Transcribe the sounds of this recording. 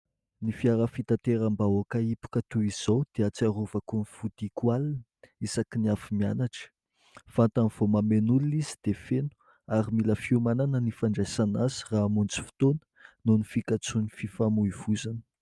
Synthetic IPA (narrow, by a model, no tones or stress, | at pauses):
nifiaɾəfit̪at̪eɾambawakaipu̥kət̪uiz̥owd̪̥eat͡siaɾovakunifud̪̥ikwalinə̥isakiniafimianaʈ͡ʂə̥ | fant̪anv̥omamenulunizid̪̥efenu̥ | aɾimiləfiumananənifaɳɖ͡ʐajsanazi̥ramunt͡si̥fi̥t̪onə̥nonifikat͡sunififamuivuzanə̥